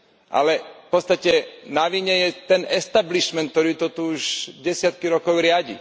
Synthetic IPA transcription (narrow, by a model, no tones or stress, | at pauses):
ʔa̰lɛfpɔt̪st̪acɛnaʋiɲɛjɛt̪ɛnɛst̪abliʃmɛnk̚t̪ɔɾiːt̪ɔt̪uuʒɟɛsɪat̪̚kiɾɔkɔʊɾɪaɟḭ